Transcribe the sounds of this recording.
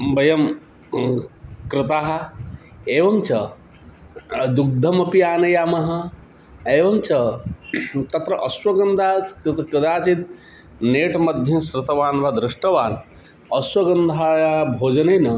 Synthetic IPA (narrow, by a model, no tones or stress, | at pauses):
bɐjɐm | kɾɪt̪aːɦɐ̆ | eːʋɐŋt͡ʃʰɐ | d̪uk̚d̪ʱɐmɐpiaːnɐjaːmɐɦɐ̆ | eːʋɐŋt͡ʃʰɐ | t̪ɐt̪ɾɐʔɐswɐɡɐnd̪ʱaːkɾɪd̪aːt͡ʃit̪ | neːʈmɐd̪ʱjɐnsɾɪt̪ɐʋaːnʋɐd̪ɾɪʂʈɐʋaːn | ɐswɐɡɐnd̪ʱaːjabʱoːd͡ʒɐnɐnɐ